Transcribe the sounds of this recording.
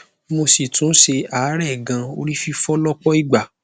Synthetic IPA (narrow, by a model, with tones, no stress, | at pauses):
mo˧si˨tũ˨˦ʃe˧a˨˦ɾɛ˦˨ɡã˧o˧ɾi˦fi˧fɔ˦lɔ˦k͡pɔ˦i˦˨ɡ͡ba˨